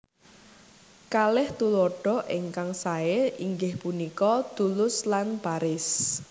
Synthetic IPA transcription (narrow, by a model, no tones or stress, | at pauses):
kalɪht̪uloɖ̥ɔ̤ʔiŋkaŋsaeiŋɡɪhpunikɔd̪̥ulʊslanb̥aɾɪs